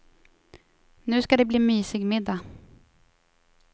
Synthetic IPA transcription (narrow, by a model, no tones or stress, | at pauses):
nʉ̟ːskad̪ɛbliːmyːsɪɡmɪd̪ːa